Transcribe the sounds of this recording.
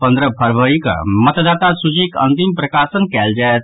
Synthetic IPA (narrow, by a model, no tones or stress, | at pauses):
pənd̪ɾəpʰəɾʋəɾikə̰mət̪d̪aːt̪asud͡ʒikə̰̃nt̪impɾəkasənkɛːld͡ʒaet̪